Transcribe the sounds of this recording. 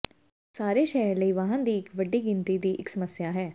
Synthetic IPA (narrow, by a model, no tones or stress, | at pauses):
saːɾeːʃɛːɾləiːʋaɦãːnd̪iːɪkʋəɖːiːɡɪnt̪iːd̪iːʔɪksəməsjaːɦɛː